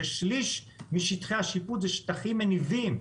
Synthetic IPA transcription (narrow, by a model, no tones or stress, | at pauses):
eʃliʃ | miʃit̪χeaʃiput̪zeʃt̪aχimenivim